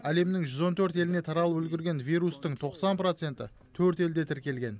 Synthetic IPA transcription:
æle̞mnɪŋʒʏzo̞nt̪ʰɵɾt̪e̞lɪne̞t̪ʰɑɾɑlˠəpɵlɡʲɪɾɡʲe̞nvʲijɾust̪əɴt̪ʰo̞qsɑnpɾot̪se̞nt̪ɪ | t̪ʰɵɾt̪e̞ld̪e̞t̪ʰɪɾkʲe̞lɡʲe̞n

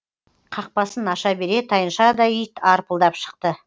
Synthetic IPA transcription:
qʰɑq̚pɑsənɑʃɑbe̞ɾe̞t̪ʰɑjənʃɑd̪ɑʏjt̪ʰɑɾpəlˠd̪ɑpʃə̥qt̪ə

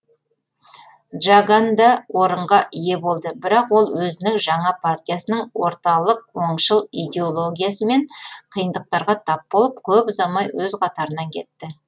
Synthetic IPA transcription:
ʒaɡand̪ɑwʔo̞ɾəɴʁɑʔije̞bo̞lˠd̪əbɪɾɑqwo̞lˠwɵzɪnɪŋʒɑɴɑpʰart̪ʲijasənəɴwo̞ɾt̪ɑlˠəq̚wo̞ɴʃəlˠijd̪e̞olˠo̞ɡʲijasəme̞ɴqʰijənd̪əq̚t̪ɑɾʁɑt̪ʰɑp̚bo̞lˠəp̚kʲʰɵpʊzɑmɑjwɵzqʰɑt̪ɑɾənɑŋkʲʰe̞̰t̪ːɪ

